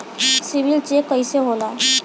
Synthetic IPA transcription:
siʋilt͡ɕekəjseɦola

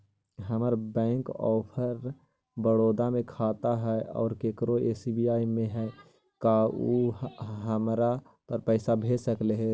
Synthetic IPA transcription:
ɦəməɾbɛ̃ːŋkɔːpʰəɾ | bəɽoːd̪amẽkʰaːt̪aɦɛɔ̰ːɾkeːkɾoeːsibijaːimẽɦɛ | kauɦəmɾa | pəɾpɛːɪsabʱeːsəkleɦɛ

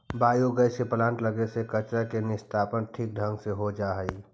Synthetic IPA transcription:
baːjoɡəjseplãːɳʈləɡesekɐt͡ʃɾakenɪst̪ʰaːpənʈʰiːk̚ɖʱə̃ŋɡseɦod͡ʒaːɦəiː

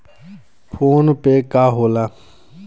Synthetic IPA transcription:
pʰoːnpekaːɦoːlaː

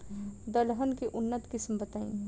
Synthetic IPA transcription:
d̪əlɦənkeʔʊnːət̪kɪsmbət̪aĩ

